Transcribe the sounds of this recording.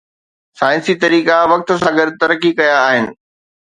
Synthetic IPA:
saːɪ̃nsit̪ɐɾiːkaʋɐk̚t̪ʊ̆sãːɡəɾt̪ɐɾəkikɐjaːɦɪnɪ̆

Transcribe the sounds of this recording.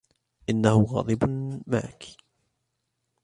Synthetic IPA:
ʔɪnːahʊɣɑ̰ːd̪ˤɨbma̰ʕak

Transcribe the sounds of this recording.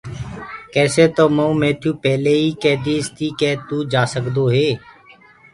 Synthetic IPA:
kɛːseːt̪oːmoũːmẽːt̪ʰjũːpɛːleːiːkɛːd̪iːɪst̪iːkɛːt̪uːd͡ʒaːsəkd̪oːɦeː

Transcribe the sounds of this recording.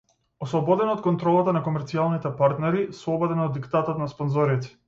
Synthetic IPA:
ɔslˠɔbɔd̪ɛnɔt̪̚kɔnt̪ɾɔlˠat̪anakɔmɛɾt̪sialˠnit̪ɛpaɾt̪nɛɾisˠɔbɔd̪ɛnɔd̪ːikt̪at̪ɔt̪naspɔnzɔɾit̪ɛ̥

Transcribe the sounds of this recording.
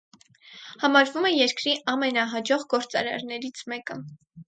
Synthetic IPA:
hɑmɑɾvumɛjɛɾkɾiʔɑmɛnɑɦɑd͡ʒɔʁɡɔɾt͡sɑ̰ɾɑ̰ɾnɛɾit͡sʰmɛkə

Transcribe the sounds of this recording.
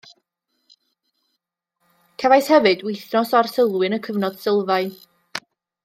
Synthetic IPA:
kʰavajshɛvɨdwejθnɔsarsəlˠwɨnəkʰəvnɔd̥sɪlˠvaɨn

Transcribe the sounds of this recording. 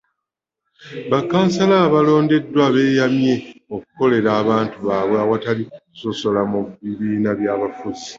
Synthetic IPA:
βakaːnsalaːβalo̞ːnde̞dːwaβe̞ːjamje̞oku̥ko̞le̞ɾaːβaːntuβaːβweawataliku̥so̞so̞lamuβːiβiːnaβjaːβafuzi

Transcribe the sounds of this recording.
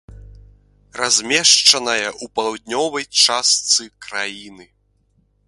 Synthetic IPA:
razʲmʲɛʂt͡ʂɐnɐjɐʔupɐlˠwd̪ʲnʲɔvɐjt͡ʂast̪sɨkɾajinɨ

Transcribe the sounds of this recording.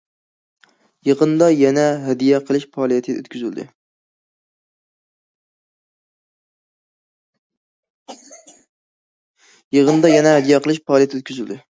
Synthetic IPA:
jəʁənd̪ɑjɛnɛɦɛd̪ijɛqʰəlˠɪʃpʰɑːlˠijɛt̪ʰɪø̰t̪kʲyzyld̪ɨ̰ | jeʁənd̪ɑjɛnɛɦɛd̪ijɛqʰəlˠɨʃpɑːlˠijɛt̪ʰøt̪kʲʰyzyld̪ɨ

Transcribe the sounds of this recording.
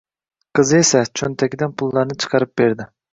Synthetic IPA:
qʰɨzɨesɛt͡ʃʰønt̪ʰɛkʲid̪ɛnpʰulˠːɑɾnɨt͡ʃʰɨ̥qʰɑɾɨp̚beɾd̪ɪ

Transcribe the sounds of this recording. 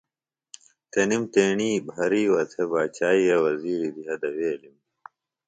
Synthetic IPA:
t̪enimt̪eːɳiːbʱɐɾiːwɐt̪ʰebaːt͡ɕaːiɾɐwɐziːɾid̪iɦɐd̪ɐweːlim

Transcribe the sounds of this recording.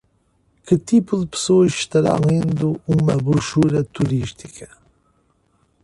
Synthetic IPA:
kɨt̪ipuðɨpɨ̥soɐʃɪʃt̪ɐɾɐ̰̃w̃ẽnd̪ʊumɐβɾuʃuɾɐt̪uɾiʃt̪i̥kʰɐ̥

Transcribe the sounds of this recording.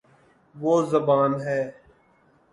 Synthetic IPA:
ʋoːzəbaːnɦɛː

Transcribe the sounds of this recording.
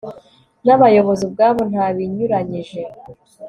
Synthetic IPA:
naβajo̞βo̞zib̚ɡaːβo̞n̥haβiɲuɾaɲiʒe̞

